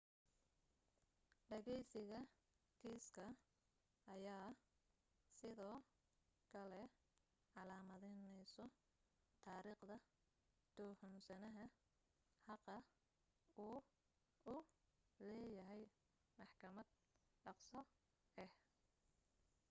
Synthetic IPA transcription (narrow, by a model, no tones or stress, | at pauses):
ɖɐɣɛjsɪɣɐ | kʰiːskʰɐ | ɐjaː | sɪðɔː | kʰɐlɛ | ʕɑlaːmɐðɛnɛjsɔ | t̪ʰaːɾiːqd̪ɐ | d̪̥ɔːhɔnsɐnɐɦɐ | hɑqɐ | uː | ʊlɛːjɐɦɛj | mɑħkʰɐmɐd̪̚ | ɖɑqsɔ | ɛh